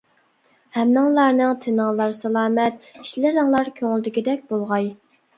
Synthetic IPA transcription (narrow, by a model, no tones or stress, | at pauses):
hɛmnɨŋlˠɑɾnɨŋt̪ʰɪnɨŋlˠɑɾsɛlˠɑːmɛt̪̚i̥ʃlɪɾɨŋlˠɑɾkʲʰøŋɪld̪ɪkʲid̪ɛk̚ʲbolˠʁɑj